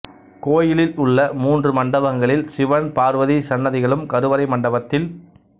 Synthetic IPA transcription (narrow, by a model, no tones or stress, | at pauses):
koːjɪlɪlʊɭːɐmuːndrɯmɐɳɖɐʋɐŋɡɐɭɪlsɪʋɐnpaːɾʋɐðisɐnːɐðɪɣɐɭɯmkɐɾɯʋɐɾɐɪmɐɳɖɐʋɐt̪ːɪl